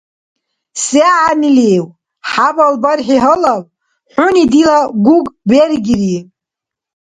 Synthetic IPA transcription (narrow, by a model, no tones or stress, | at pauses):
seaʕanilew | ħabalbarħiɦəlal | ħʊnid̪ilaɡʷuɡʼberɡʲri